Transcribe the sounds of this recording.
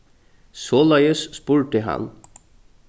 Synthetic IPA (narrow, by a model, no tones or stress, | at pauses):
soːlɑjəsspuːɹʈəɦɑ̰n